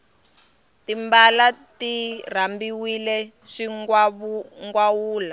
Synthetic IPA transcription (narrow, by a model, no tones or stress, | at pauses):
timbalatir̤ambiwilɛʂi | ŋɡwawuːla